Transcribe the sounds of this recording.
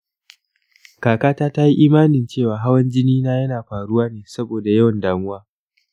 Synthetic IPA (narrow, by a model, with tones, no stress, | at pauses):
kaː˨kaː˦taː˦ta˦ji˦ʔiː˦maː˦nɪ˨nt͡ʃeː˦˨waː˨ɦa˦wɐ˦nd͡ʒɪ˦niː˦naː˦jɐ˦naː˨ɸaː˨ɽʊ˦waː˦neː˨sɐ˦boː˨da˨jɐ˦wɐ˨ndaː˦ŋʊ˦waː˦